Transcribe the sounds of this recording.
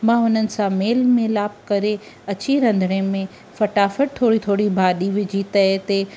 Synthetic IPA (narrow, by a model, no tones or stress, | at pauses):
mãːʊn̤ənɪ̆sãmeːlmẽlaːb̚kɐɾe | ɐt͡ɕiɾɐ̃nd̪ʱəɽ̃ẽmẽ | fɐʈaːfəʈ̚t̪ʰoːɽit̪ʰoːɽibʱaːɗiʋɪd͡ʑʱit̪ɐt̪e